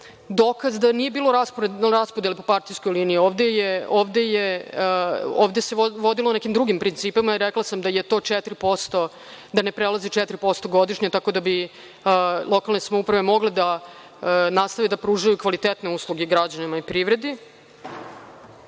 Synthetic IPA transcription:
d̪okazd̪anije̞biːlˠo̞ɾaspɾaspod̪jelipopaɾt̪ijsko̞jliːniioːʋd̪ejeoːʋd̪eje | oːʋd̪eseʋod̪ilonekimd̪ɾuɡimpɾint̪siːpamaiɾeklˠasamd̪ajet̪o̞ːt͡ʂɛt̪ɾipo̞st̪o | d̪ane̞pɾelˠazit͡ʃɛt̪ɾipo̞st̪oɡo̞d̪iʃɲat̪ako̞d̪abi | lˠo̞kalnesamoupɾaʋe̞mo̞ɡled̪a | nast̪aʋed̪apɾuːʒajukʋalit̪et̪ne̞uːslˠuɡeɡɾad͡ʑanimaipɾiːʋɾe̞d̪i

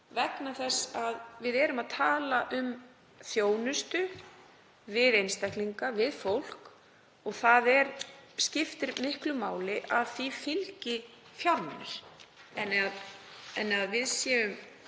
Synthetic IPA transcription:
vɛknaθɛsːaðvɪðɛːɾʏmaðt̪ʰaːlaʔʏm | θjoːwnʏst̪ʏ | vɪðejnst̪ɛhk̪liŋkavɪðfowl̥k | ɔɣθaðɛɾscɪft̪ɪɾmɪhklʏmaːwlɪʔaðθifɪlcɪ | fjawɾmanɪɾ̥ɛnːaɛnːaðvɪðsjɛːʏm

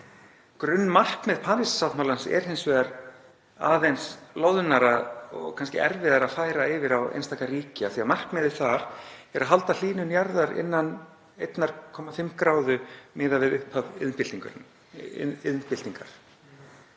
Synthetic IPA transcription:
kɾʏnːmar̥kmɛðpʰaːnɪsːawt̪mawlansɛ̰ɾ̥hejnsvɛːðaɾ | aːðejnsloːwðʏnaɾaɔɣkʰanscɪ̰ʔɛɾvɪðaɾaðfaːjɾaɪvɪɾawḛjnst̪ʰaːkariːcɪaθiamar̥kmɛːðɪ̥θaɾ̥ɛɾaðɦalt̪al̥iːnʏnjaɾðaɾɪ̰nːan | ejt̪naɾ̥kʰɔːmafɪmkɾaːwðʏmɪːðavɪðʏhphavɪðnpɪlt̪iŋkʏ̰ɾ | ɪðnpɪlt̪iŋka̰ɾ̥

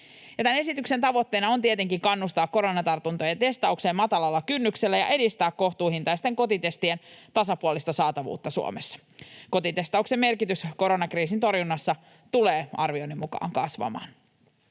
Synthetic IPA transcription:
jɑt̪æne̞sit̪ykse̞nt̪ɑʋo̞t̪ːe̞ːnɑont̪iet̪e̞ŋkiŋkɑnːust̪ɑːkko̞ɾo̞nɑt̪ɑrt̪unt̪ojent̪e̞st̪ɑukse̞ːmɑt̪ɑlɑlːɑkynːykse̞lːæjɑ̰ʔe̞dist̪æːkkːo̞ht̪uːhint̪ɑjst̪ːˑe̞ŋko̞t̪it̪e̞st̪ie̞nt̪ɑsɑpuolist̪ɑsɑːt̪ɑʋṵːt̪ːɑsṵo̰mesːɑ̥ | ko̞t̪it̪e̞st̪ɑukse̞mːe̞rkit̪ysko̞ɾo̞nɑkriːsint̪o̞rjunːɑsːɑ | t̪uleːɑ̰rʋionːimːukɑ̰ːŋkɑsʋɑ̰mɑ̰ːn

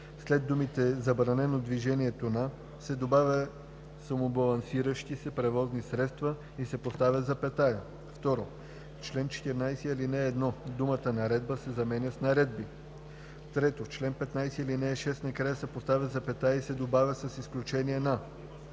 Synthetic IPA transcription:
slɛd̪ːumit̪ɛzɐbɾɐnɛnod̪viʒɛniɛt̪ona | sɛd̪obavʲə | sɐmobɐlˠɐnsiɾəʃt̪isɛpɾɛvɔznisɾɛt̪st̪və | isɛpost̪avʲɐd̪zɐpɛt̪ajə | ft̪ɔɾo | t͡ʃlɛnt͡ʃɛ̥t̪iɾnajsɛilinɛːd̪nɔd̪umət̪ənɐɾɛd̪̚bəsɛzɐmɛnʲəsnɐɾɛd̪̚bi | t̪ɾɛt̪ot͡ʃlɛnpɛt̪najsɛilinɛʃɛst̪nɐkɾajəsɛpost̪avʲəzɐpɛt̪ajəisɛd̪obavʲəsɐsisklʲut͡ʃɛniɛna

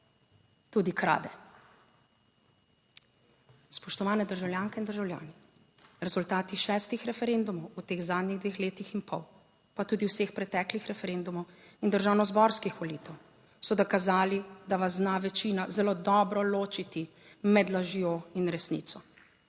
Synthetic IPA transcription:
t̪ud̪ikɾa̰ːd̪ɛ | spɔʃt̪ɔʋaːnɛd̪əɾʒawljaːŋkɛind̪əɾʒawlja̰ːni | ɾɛzult̪aːt̪iʃɛst̪ixɾɛfɛɾend̪umɔwut̪eːɣzaːd̪niɣd̪ʋeːxleːt̪ixinpɔw | pat̪uːd̪iwseːxpɾɛt̪ɛːklixɾɛfɛɾend̪umɔw | ind̪əɾʒaːwnɔzbɔɾskixʋɔliːt̪ɛw | sɔd̪ɔkazaːlid̪aʋaznaʋɛt͡ʃiːnazɛloːd̪ɔbɾɔloːt͡ʃit̪i | mɛd̪laʒjoinɾɛsnḭːt̪sɔ

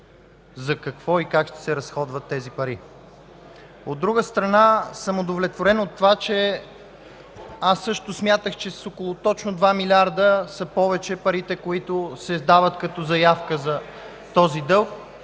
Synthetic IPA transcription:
zɐkɐkv̥ɔikakʃt̪ɛ̥sɛɾɐsxɔd̪vət̪ːɛzipɐɾi | od̪ːɾuɡəst̪ɾɐnasəmod̪ovlɛt̪voɾɛnot̪ːovat͡ʃɛ | asːɤʃt̪ʊsmʲjat̪əxt͡ʃɛssokolˠot̪ɔt͡ʃnʊd̪vamilʲaɾd̪əsɐpɔvɛt͡ʃɛpɐɾit̪ɛkoit̪ʊsɛd̪avət̪kɐt̪ɔzɐjafkəzɐ | t̪ɔzid̪ɤlˠk

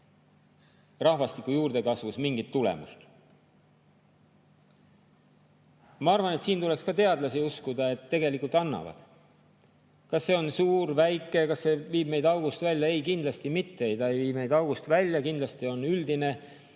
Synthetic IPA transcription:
rɑhvɑst̪ikːˑujuːɾd̪e̞kɑsvusmiŋɡit̪ːulḛmṵst̪ | mɑɑrvɑne̞t̪siːnt̪ule̞kskɑt̪e̞ɑd̪lɑsiuskud̪ɑe̞t̪ːe̞ɡe̞likult̪ɑnːɑ̰vɑ̰d̪̥ | kɑsːe̞ːo̞nsuːɾvæjkˑːe̞kɑsːe̞viːb̥me̞jd̪ɑwɡust̪vælʲjɑe̞jkind̪lɑst̪imit̪ːeejt̪ɑejviːme̞jd̪ɑwɡust̪vælʲjɑkind̪lɑst̪io̞nyld̪ine̞

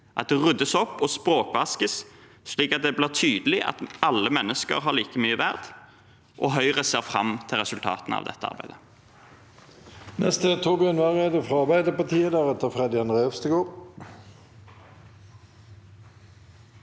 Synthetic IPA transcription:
ʔɑt̪̚d̪ɛʁʉd̪ːəsɔpːɔspʁoːkʋɑskəs | ʃliːkɑt̪̚d̪ɛbliːʁt̪ʰyːd̪əlɪʔɑ̰t̪ɑlːəmɛnːəskə̰ʁɦɑʁliːkəmyːəʋæʁd̪̥ | ʔɔɦœʏʁəseːʁfɾɑ̰mt̪ʰɪlʁɛsʉlt̪ʰɑ̰ːt̪n̩ɑ̰ʋd̪ɛ̰t̪ːəɑ̰ʁbæɪd̪ə | nʔɛst̪ət̪ʰuːbɪɑnʋɑʁeːd̪əfʁɔɑʁbæɪd̪əpot̪ʰiːəd̪æʁɛt̪ːəfʁɛd̪ɪɑnʁeːfst̪əɡoːʁ

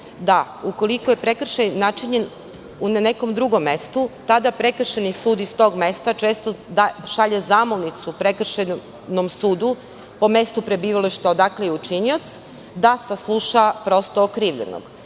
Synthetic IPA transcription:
d̪auko̞likoje̞pɾe̞kr̩ʃejnat͡ʃiɲen | unane̞ko̞md̪ɾuɡo̞mːe̞st̪ut̪ad̪apɾe̞kr̩ʃenisuːd̪ist̪o̞ːɡme̞st̪at͡ʃe̞ːst̪od̪aʃaʎezaːmolnit̪supɾekr̩ʃen | nomsuːd̪u | po̞me̞st̪upɾe̞biːʋaliʃt̪aod̪aklejeut͡ʃiniot̪s | d̪asaslˠuʃapɾo̞st̪oːkɾiːʋʎḛno̰ɡ̥

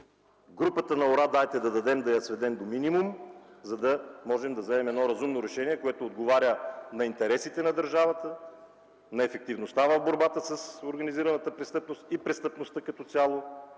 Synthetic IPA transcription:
ɡɾupət̪ənɐoɾad̪ajt̪ɛd̪ɐd̪ɐd̪ɛmd̪ɐjɐsvɛd̪ɛnd̪ominimumzɐd̪ɐmɔʒɛmd̪ɐvzɛmɛmɛd̪nɔɾɐzumnoɾɛʃɛniɛkoɛt̪oːd̪ɡovaɾʲənɐint̪ɛɾɛsit̪ɛnɐd̪əɾʒavət̪ə | nɐɛfɛk̚t̪ivnost̪avɐvboɾbat̪əsɐsoɾɡɐniziɾɐnət̪əpɾɛst̪ɤpnost̪ipɾɛst̪ɤpnost̪ətkɐt̪ɔt̪sʲjalˠo

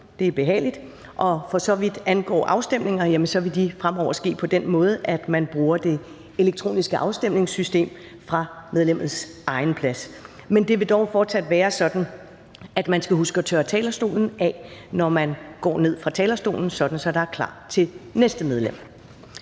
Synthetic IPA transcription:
d̥e̝æɐb̥e̝ɦɛ̰ːlid̥ | ʔɒ̽fɒ̽sɒ̽ʋid̥ænɡ̥ɒ̰ːʔɑ̈ʊsd̥em̰ne̝ŋɐjæmənsɒ̽ʋe̝d̥ifʁamɒʊ̰ɐsɡ̥e̝̰ːpʰɒ̽d̥en̰mɔ̽ːð̩ˠʔæd̥mænb̥ʁuːɐd̥e̝ | e̝leɡ̥̚t͡sʰʁo̝̰ːnisɡ̥əʔɑ̈ʊsd̥em̰ne̝ŋsːysd̥e̝̰ːm | fʁɑ̈með̞ˠlem̰ð̩ˠsʔɑ̈ɪn̩pʰlæs | mend̥e̝ʋe̝d̥ɒʊfɒːd̥sæd̥ʋæːɐsɒ̽d̥n̩ | æd̥mænsɡ̥æhusɡ̥əɒt͡sʰøːɐt͡sʰɛːlɐsd̥o̝̰ːln̩ɛnɒmænɡ̥ɒ̰ːne̝ð̞̰ˠfʁɑ̈t͡sʰɛːlɐsd̥o̝̰ːln̩sɒ̽d̥n̩sɒ̽d̥ɑ̈æɐkʰlɑ̰̈ːt͡sʰe̝lnesd̥əmeð̞ˠlem̰

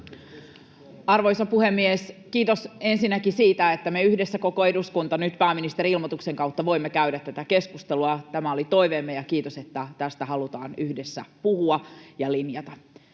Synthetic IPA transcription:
ɑrʋojsɑpuhemːieskiːt̪ose̞nsinːækisiːt̪æet̪ːæmeyhdesːæko̞ko̞eduskunt̪ɑnyt̪pæːminist̪e̞ɾiilmot̪ukse̞ŋkɑuwt̪ːɑʋo̞imːekæydæt̪t̪ːæt̪æke̞skust̪eluɑt̪æmæolit̪o̞iʋemːejɑkiːt̪ose̞t̪ːæt̪æst̪æɦɑlut̪ɑːnyhdesːæpuhuɑjɑlinjɑt̪ɑ

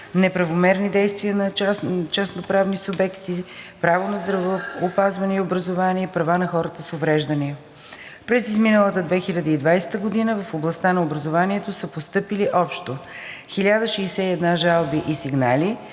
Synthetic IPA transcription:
nɛpɾɐvomɛɾnid̪ɛjst̪viənɐt͡ʃɛsnopɾavnisʊbɛkt̪ipɾavonɐzd̪ɾɐvopazvɐnɛiobɾəzovaniɛipɾɐvanɐxɔɾət̪əsovɾɛʒd̪əniə | pɾɛzizminəlˠət̪əd̪vɛxilʲɐd̪əid̪vajsɛ̥t̪əɡod̪inəvəfoblˠɐst̪anɐobɾɐzovaniɛt̪osəpost̪ɤpiliʔɔpʃt̪o | xilʲad̪əʃɛːsɛiɛd̪naʒalˠbiʔisiɡnali

